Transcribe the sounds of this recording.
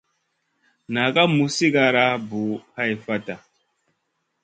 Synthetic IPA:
na˨ka˦mu˨si˦ka˨ɾa˦bu˨ha˦jfa˦ta˨

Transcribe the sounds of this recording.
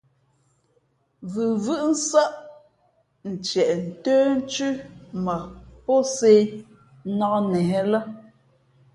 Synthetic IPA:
vɯ˨vɯ˦ʔn̩˦sa˦ʔ | n̩˨t͡ʃɛ˨ʔn̩˨təː˦n̩˦t͡ʃʉ˦ma˨pɔ˦se˦ | nɔ˦nɛ˨˦lə˦

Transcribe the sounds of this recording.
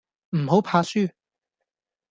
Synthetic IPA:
m̩˨˩ɦo˨˥wpʰaː˧syː˥

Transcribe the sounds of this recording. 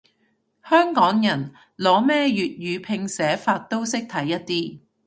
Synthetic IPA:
hœː˥ŋkɔː˨˥ŋjɐ˨˩n | lɔː˨˥mɛː˥jyː˨t̚jyː˨˧pʰɪ˧ŋsɛː˨˥faː˧t̚t̪o˥wsɪ˥k̚t̪ʰɐ˨˥jːɐ˥t̚t̪iː˥

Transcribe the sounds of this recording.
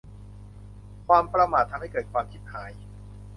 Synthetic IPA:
kʰwaː˧mpɾa˧maː˨˩t̪ʰːa˧mha˥˩jkɤː˨˩t̪̚kʰwaː˧mkʰi˦t̪̚haː˩˦j

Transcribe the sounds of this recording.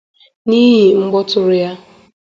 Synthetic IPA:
niː˦ɦi˨ŋ͡m̩˦ɡ͡bɔ˦tʊ˦ɾʊ˦ja˦

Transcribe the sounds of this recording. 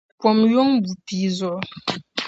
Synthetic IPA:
kwɔ˨mjɔ˦ŋbu˨pi˨zʊ˨ʔ

